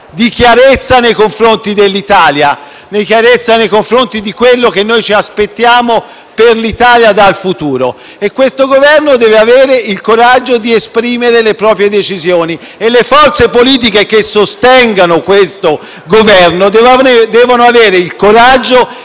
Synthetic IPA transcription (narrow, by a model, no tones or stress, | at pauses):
d̪ik̟jaɾet̪sːanejkoɱfɾont̪id̪elːit̪aːlja | nejk̟jaɾet̪sːanejkoɱfɾont̪id̪ikwelːok̟enːojt͡ʃiaspet̪ːjaːmo | perlit̪aːljad̪alfut̪uːɾo | ekwest̪oɡovɛrnod̪ɛːveaveːɾeilkoɾad͡ʒːod̪iespɾiːmeɾelepɾɔːpɾjed̪et͡ʃizjoːni | elːefɔrt̪sepoliːt̪̬ikekesːost̪ɛŋɡanokwest̪o | ɡovɛrnod̪ɛvd̪ɛːvonoaveːɾeilkoɾad͡ʒːo